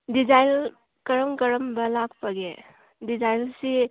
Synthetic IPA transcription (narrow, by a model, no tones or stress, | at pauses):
did͡ʒajl | kɐɾəmkɐɾəmbɐlak̚pɐɡe | dizajlsi